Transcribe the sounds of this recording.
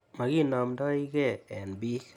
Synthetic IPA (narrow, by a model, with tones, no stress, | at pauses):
ma˨ɡi˦˨nɔ˨mdɔ˦i˦ɡɛ˦˨ɛ˨nbi˦